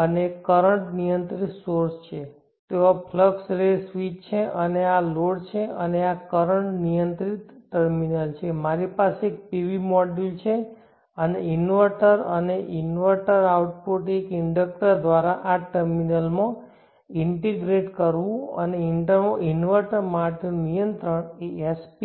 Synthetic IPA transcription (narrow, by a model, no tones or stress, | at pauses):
ənekːəɾəɳʈnijənt̪ɾit̪soɾst͡ʃʰe | t̪eʋapʰləksɾesʋit͡ʃt͡ʃʰeʔənealoɽt͡ʃʰeəneakəɾəɳʈnijənt̪ɾit̪ːəɾminəlt͡ʃʰemaɾipaseek̚piʋimɔɖilt͡ʃʰe | əneinʋəʈəɾəneʔinʋəɾʈəɾauʈpoʈekɪɳɖək̚ʈəɾd̪ʋaɾaʔaʈəɾminəlmã | ɪɳʈeɡɾeʈkəɾʋũə̰neɪɳʈəɾmõʔinʋəɾʈəɾmaʈinunijənt̪ɾəɳeespi